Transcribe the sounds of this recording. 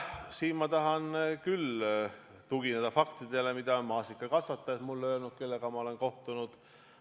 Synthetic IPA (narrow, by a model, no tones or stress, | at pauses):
siːnmɑt̪ɑɦɑnkyl | t̪uɡ̥ined̪ɑfɑkt̪id̪̥e̞le̞mid̪̥ɑonmɑːsikːˑɑkɑsʋɑt̪ːˑɑet̪mulːøːlnut̪̚ke̞lːe̞ɡ̥ɑmɑo̞lenko̞ht̪unud̪̥